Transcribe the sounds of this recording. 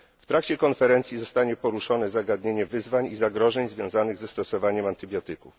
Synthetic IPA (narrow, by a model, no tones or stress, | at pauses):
ft̪ɾakt͡ɕɛkɔnfɛɾɛnt̪sʲjizɔst̪aɲɛpɔɾuʂɔnɛzaɡad̪ɲeɲɛvɘzvaɲizaɡɾɔʐɛɲzvʲjɔ̃w̃zanɘɣzɛst̪ɔsɔvaɲɛmant̪ɘbʲjɔt̪ɘkuf